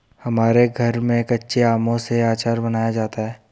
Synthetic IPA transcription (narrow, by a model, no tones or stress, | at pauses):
hɐmaːɾeɡʱɐɾmẽːkɐtːʃʰeaːmõseaːt͡ʃaːɾbɐnaːjad͡ʒaːt̪aɦɛː